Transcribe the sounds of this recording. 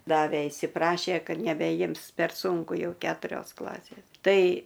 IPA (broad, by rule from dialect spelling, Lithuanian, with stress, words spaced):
ˈdɑːʋʲeː iːsʲɪˈprɑːʃʲeː ˈkɐt nʲɛbʲɛˈjɪms pʲɛr ˈsuːŋkʊ ˈjɛʊ ˈkʲæːtʊrʲoːs ˈklˠɑːsʲeːs ˈtɐɪ